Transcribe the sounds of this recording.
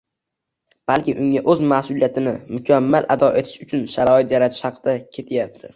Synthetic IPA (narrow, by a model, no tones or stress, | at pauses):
b̥alkʲɪʔʊŋaʔɵzmasʊlˠijat̪ʰɪnɪmʊkʲʰamːalʔad̪ɒʔe̞t̪ʰɪ̥ʃʊt͡ʃʰʊnʃaɾɒɪt̪jaɾat̪ʰɪ̥ʃhɑqʰɨd̪akʲʰe̞t̪ʰɪjap̚t̪ʰɪ